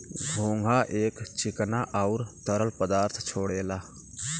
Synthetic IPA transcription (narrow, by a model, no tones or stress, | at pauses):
bʱoŋɡʱaʔeːkt͡ʃiknaʔaʊɾt̪əɾəlpəd̪aːɾt̪ʰt͡ʃʰoːɽela